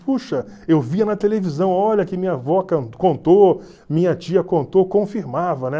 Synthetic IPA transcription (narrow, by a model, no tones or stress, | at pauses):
puʃɐewviɐnɐt̪elevizɐ̃w̃ɔʎɐkɪmĩɲɐvɔkɐ̃kõnt̪o | mĩɲɐt͡ʃiɐkõnt̪okõfiɾmavɐnɛ